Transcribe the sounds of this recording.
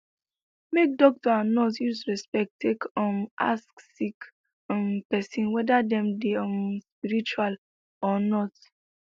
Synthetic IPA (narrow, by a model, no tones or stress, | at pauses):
mek̚dɔk̚tɔãnːɔtjusɹɛspɛk̚tʰːekɔ̃ma̰sksik | ɔ̃mpɛsĩnwɛdadɛ̃mdeɔmspiɹit͡ʃual | ɔnɔt